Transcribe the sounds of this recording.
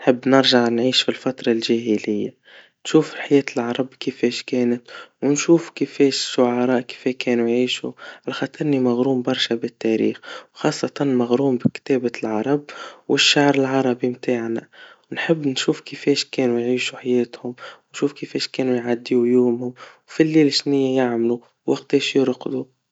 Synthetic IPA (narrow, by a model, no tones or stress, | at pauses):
nħəbːnɪɾˤʒaʕnʕiːʃfilfɑt̪ɾˤɑlʒæːɦɪlɪjːa | nʃuːfħajɛːt̪əlʕɑɾˤɑbkəfɛːʃkɛːnət̪wnʃuːfkəfɛːʃʃʊʕɑɾˤɑːʔkə̥fɛkɛːnujʕiːʃṵʕalaxɑt̪ʰˤɨɾnimaɣɾuːmbɑɾˤʃabɪt̪ːæɾḭːxwxɑːsˤːɑt̪ɑnmaɣɾuːmbɪkt̪ɛːbalʕɑɾˤɑb̚wʔɪʃːaʕɾɪlʕɑɾˤɑbimt̪aːʕna̰wnħɪbːnʃuːfkɪfɛːʃkɛːnujʕiːʃuħajɛːt̪hʊmwnʃuːfkɪfɛːʃkɛːnujʕad̪ːiujoːmhʊmwfilːiːlɪʃnɪjːajaʕmlu | wɑqt̪eʃjʊɾqd̪u